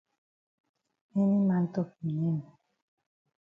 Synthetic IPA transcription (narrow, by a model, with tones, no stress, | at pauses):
ɛ˦ni˦mã˨˦n̩˦tɔ˦˨p̚i˨ni˦m˨